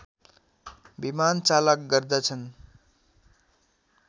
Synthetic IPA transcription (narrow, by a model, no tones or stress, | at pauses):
bimant͡salʌk̚ɡʌrd̪ʌt͡sʰʌn